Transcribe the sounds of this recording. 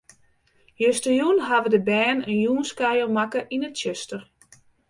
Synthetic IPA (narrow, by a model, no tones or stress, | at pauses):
jøstəjunɦaʋədəbɛːnənjuːnskajəlmakəʔinətøstər